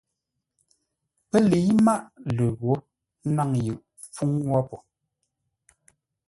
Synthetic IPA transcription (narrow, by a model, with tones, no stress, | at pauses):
pɛ˦li˨˦ma˦˨ʔlə˨ɣwo˨˦ | n̩˦na˦ŋjɯ˨ʔ | fu˦ŋwɔ˦pɔ˨